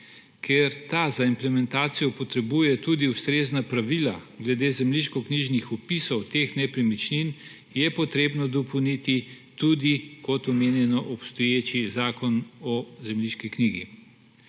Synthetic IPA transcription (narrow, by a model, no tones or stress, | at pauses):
kʰeɾt̪azaimplɛmɛnt̪aːt̪sijɔpɔt̪ɾɛbujɛt̪ud̪iust̪ɾeːznapɾaʋilaɡlɛd̪eːzɛmliʃkɔkniʒnixɔpisɔwt̪exnɛpɾimit͡ʃnin | jɛpɔt̪ɾeːbnɔd̪ɔpownit̪i | t̪ud̪ikɔt̪ɔmeːnjɛnɔʔɔpst̪ɔjet͡ʃizaːkɔnɔzɛmliʃkikniːɡi